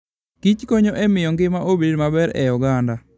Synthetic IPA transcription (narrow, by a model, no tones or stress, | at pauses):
kit͡ʃkoɲoʔɛmɪjɔŋɡɪmaʔobedmabɛɾɛ̰jɔɡanda